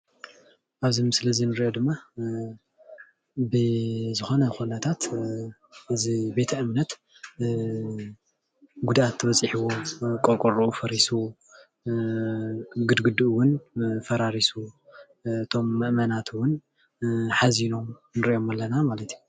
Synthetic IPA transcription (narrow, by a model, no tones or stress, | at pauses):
ʔaβzimɨsɨlɐzinɨɾiʔo̞d̪ɨmːa | bɨzɨxo̞nɐxunɐt̪ʰat̪ | ʔɨzibe̞t̪ʰɐʔɨmnɐt̪ | ɡud̪at̪ʰːɨβɐt͡sʼːɨħiwokʼoɾkʼoɾuufɐɾisu | ɡɨd̪ɡɨd̪uʔwʊnfɐɾaɾisu | ɨt̪ʰo̞mːɨʔmɐnat̪ʰwʊn | ħazino̞m | nɨɾiʔjo̞malːɐnamalɐt̪ʰju